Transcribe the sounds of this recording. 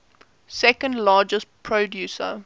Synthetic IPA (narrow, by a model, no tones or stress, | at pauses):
sɛkə̃ndlɑːd͡ʒəspʰɹədjuːsə̰